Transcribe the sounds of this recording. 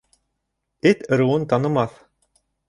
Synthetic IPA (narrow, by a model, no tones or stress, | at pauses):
et̪ɤ̆ɾuwɤnt̪ɑnɤ̆mɑθ